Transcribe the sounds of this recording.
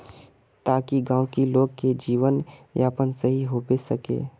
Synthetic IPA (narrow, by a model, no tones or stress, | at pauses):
t̪aːkiɡãːwkiloːɡked͡ʒiːʋənjaːpənsəɦiɦoːbesəkḛː